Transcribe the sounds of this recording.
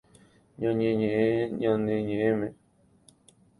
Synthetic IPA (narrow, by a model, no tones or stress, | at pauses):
ɲãɲẽɲẽʔẽɲãnẽɲẽʔẽmẽ